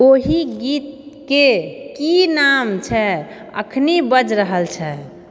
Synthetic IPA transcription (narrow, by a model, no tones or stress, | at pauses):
oɦiɡit̪̚kekinamt͡ʃʰɛ | ə̰kʰnibəd͡ʒɾəɦəlt͡ʃʰɛ